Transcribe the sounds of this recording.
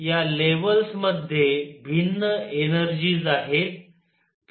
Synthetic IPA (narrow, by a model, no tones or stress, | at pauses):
jaleʋəlsməd̪ʱjebʱinːəenəɾd͡ʑiːd͡zaɦet̪̚ː